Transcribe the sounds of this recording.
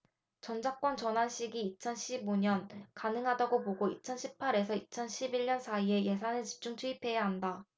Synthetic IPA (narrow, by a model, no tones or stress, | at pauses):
t͡ɕʌnd͡ʑak͈̚wʌnt͡ɕʌnɦanɕ͈ʰiɡiːt͡ɕʰʌnɕʰiboɲʌnkanɯŋɦadaɡopoɡoit͡ɕʰʌnɕʰipʰaɾe̞sʰʌit͡ɕʰʌnɕʰibiɭɲʌnsʰaie̞je̞sʰanɯɭt͡ɕi̥p̚t͡ɕ͈uŋt͡ɕʰuipʰe̞jaɦanda